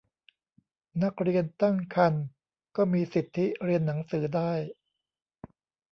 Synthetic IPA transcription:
na˦˥k̚ɾi˧ənt̪a˥˩ŋkʰa˧n | kɔː˥˩miː˧si˨˩t̪ʰːi˦˥ɾi˧ənːa˩˦ŋsɯː˩˦daː˥˩j

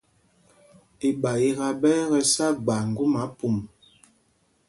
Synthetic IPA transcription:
e˨ɓa˨i˦ɣa˦bɛː˦ɣɛ˦sa˦ɡ͡ba˨ŋ̩˨ɡu˦ma˨˦pu˦˨m

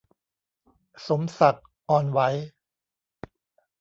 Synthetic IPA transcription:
so˩˦msa˨˩k̚ | ʔɔː˧nwa˦˥j

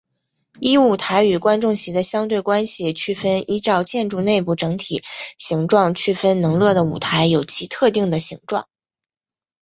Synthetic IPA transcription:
i˥u˨˩t̪ʰa˧˥ɪy˨˩kwa˥nʈ͡ʂʊ˥˩ŋɕi˧˥d̪ə˧ɕjɑ˥ŋt̪̬we˥˩ɪkwa˥nɕi˨t͡ɕʰy˥˩fə˥nʔi˥ʈ͡ʂɑ˥˧ʊt͡ɕjɛ˥˧nʈ͡ʂu˥˧ne˥˧ɪpu˥˩ʈ͡ʂɤ˧˥ŋt̪ʰi˨˩˦ɕi˧˥ŋʈ͡ʂwɑ˥˧ŋt͡ɕʰy˥˩fə˥nnɤ˧˥ŋlwɤ˥˩d̪ə˩ṵ˨˩t̪ʰa˧˥ɪjo˨˩ʊt͡ɕʰi˧˥t̪ʰɤ˥˧t̪i˥˩ŋd̪ə˩ɕḭ˧˥ŋʈ͡ʂwɑ̰˥˩ŋ

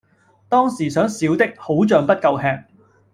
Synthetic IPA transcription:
t̪ɔː˥ŋsiː˨˩sœː˨˥ŋsiː˨˥wt̪ɪ˥k̚ho˨˥wt͡ʃœː˨˧ŋpɐ˥t̚kɐ˧wɦɛː˧k̚

